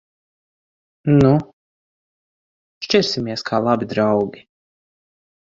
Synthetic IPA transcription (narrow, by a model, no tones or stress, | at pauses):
nu | ʃt͡ʃʲɛɾsimiɛskʰaːlˠabid̪ɾawɡʲi